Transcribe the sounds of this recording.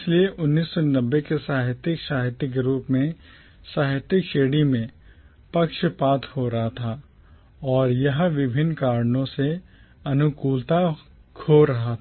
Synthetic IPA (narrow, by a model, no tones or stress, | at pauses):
slieʔʊnːiːsːɔnɐbːekesaːɦɪt̪ɾɪkʃaːɦɪt̪ɾɪkɾuːpmẽ | saːɦɪt̪ɾɪkʃeːɽimẽ | pɐkʃpaːt̪ʰhoɾɐɦat̪ʰaː | ɔːɾjɐɦʋɪbʱɪnkaːɾnõse | ɐnʊkuːlt̪a | kʰoɾɐɦat̪ʰː